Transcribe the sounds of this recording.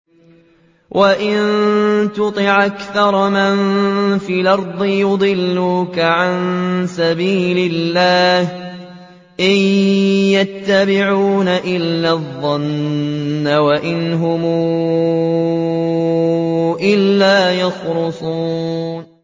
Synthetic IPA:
wʔaʔɪnt̪ʊt̪ˤɪʕʔakθɑɾˤmɪnfiːlʔɑɾˤd̪ˤɨjʊd̪ˤɨlːuːkaʕansabiːlɪlːaːh | ʔɪjjat̪ːabɪʕuːnaʔɪlːaðˤːɑnː | awaʔɪnɦʊmuː | ʔɪlːaːjɑxɾʊsˤuːn

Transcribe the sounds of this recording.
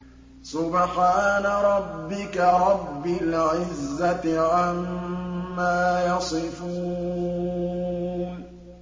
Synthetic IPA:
sʊbħaːnaɾˤɑbːɪkaɾˤɑbːɪlʕɪzːat̪ɪʕamː | aːjɑsˤɨfuː | n

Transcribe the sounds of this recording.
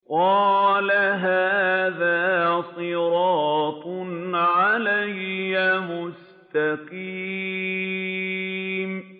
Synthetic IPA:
qɑːlaɦaːðaːsˤɨɾɑːt̪ˤnʕalajːamʊs | t̪aqiː | m

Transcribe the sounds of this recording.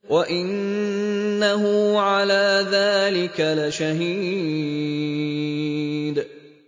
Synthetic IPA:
waʔɪnː | aɦʊʕalaːðaːlɪkalaʃaɦiː | d̪

